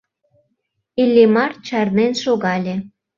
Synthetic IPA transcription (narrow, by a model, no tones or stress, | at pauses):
ilʲːimɑrt͡ɕɑrnenʃoɣɑlʲe